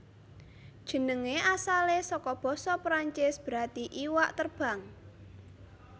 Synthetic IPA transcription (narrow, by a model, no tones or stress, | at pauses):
d̥ʒ̥ə̤nəŋeʔasalesɔkɔb̥ɔ̤sɔpɾaɲt͡ʃɪsb̥ɾat̪iʔiwaʔt̪ərb̥a̤ŋ